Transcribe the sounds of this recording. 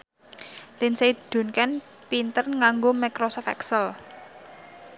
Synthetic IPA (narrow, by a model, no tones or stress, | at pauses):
t̪ɪnsed̪̥o̤nkɛn | pint̪ərŋaŋɡomakɾosfɛ̰ksəl